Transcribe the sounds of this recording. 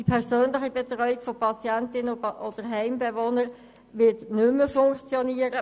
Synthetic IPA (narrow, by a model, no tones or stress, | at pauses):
ipʰɛʁsøːnlɪχibɛtʁɔʏikfɔpʰɑt͡sjæntɪnod̥əɾɦæɪmbevonəɾ | ʋɪtnʏmːəfʊŋkt͡sjoniːəɾə